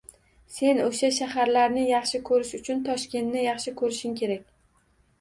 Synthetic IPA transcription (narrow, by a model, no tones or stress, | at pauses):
se̞noʃaʃahaɾlaɾnɪjɑχʃɪkʰɵɾɪʃʊt͡ʃʰʊnt̪ʰɒʃkʲe̞nːɪjɑχʃɪkʰɵɾɪʃɪmkʲʰe̞ɾakʲ